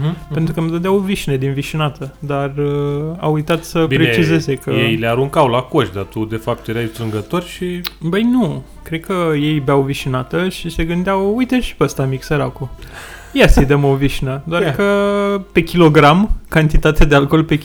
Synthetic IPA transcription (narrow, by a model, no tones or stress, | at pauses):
pent̪ɾukəmd̪əd̪eawoviʃined̪inviʃinat̪əd̪ara̰wujt̪at̪səbipɾet͡ʃize̞zekəjejleaɾuŋkawlako̞ʃd̪at̪ud̪e̞fap̚t̪jeɾaj̪t̪ɾɨŋɡət̪o̞rʲʃibəjnu | kɾed̪kəje̞jbeawviʃinat̪əʃise̞ɡɨnd̪eawujt̪eʃi̥peast̪amiksəɾaku | jasid̪emoviʃinəd̪oarkəpe̞kʲilo̞ɡɾamkant̪it̪at̪ead̪ealko̞lpe̞